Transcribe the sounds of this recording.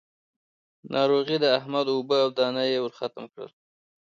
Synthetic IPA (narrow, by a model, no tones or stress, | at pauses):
nʔɑɾoɣid̪əahmad̪ʊbəawd̪ɑnajewəɾxat̪əmkɽə̰l